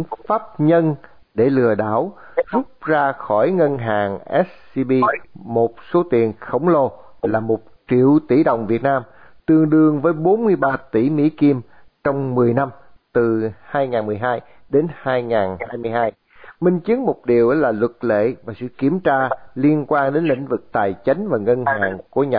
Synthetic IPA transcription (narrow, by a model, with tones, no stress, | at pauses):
faː˦˥p̚ɲə˧n | ɗe˧˩lɨ˨˩əɗa̰ː˧˩w | zʊ˦˥p̚zaː˧xɔ˧˩jŋə˧nɦaː˨˩ŋʔɛ˦˥s̚si˧ɓi˧mo˨˩t̚so˨˦t̪i˨˩ənxə˧˩wŋ͡mlo˧ | laː˨˩mo˨˩t̚t͡ɕḭ˧˨əwt̪i˧˩ɗo̰˧˨wŋ͡mvi˨˩ət̚naː˧m | t̪ɨ˨˩əŋɗɨ˨˩əŋvəː˨˦jɓo˨˦nmɨ˧əjɓaː˧t̪ḭ˧˩mḭ˧˥ki˧m | t͡ɕɔ˧wŋ͡mmɨ˨˩əjna˧m | t̪ɨ˨˩haː˧jŋaː˨˩nmɨ˨˩əjɦaː˧j | ɗe˨˦nhaː˧jŋaː˨˩nhaː˧jmɨ˧əjhaː˧j | mï˧ŋ̟t͡ɕɨ˨˦ənmo˨˩t̚ɗi˨˩əwʔə˨˦laː˨˩lwə˨˩t̚lḛ˧˨vaː˨˩sɨ̰˧˨ki˧˩əmt͡ɕaː˧li˧ənkwaː˧nɗe˨˦nlḭ̈˧˨ŋ̟vɨ˨˩k̚t̪aː˨˩jt͡ɕa˨˦jŋ̟vaː˨˩ŋə˧nhaː˨˩ŋku˧˩əɲa˨˩